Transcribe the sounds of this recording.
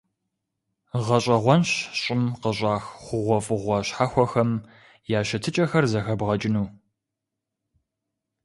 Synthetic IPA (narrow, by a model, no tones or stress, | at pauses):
ʁɐɕʼɐʁʷɔnɕɕʼɪmqəɕʼaːxχʷʊʁʷɔfʼɨʁʷɔɕħaxʷɔxɐm | jaːɕɐtʰɨt͡ʃʼɐxɐrzɐxɐbʁɐt͡ʃʼɪnuː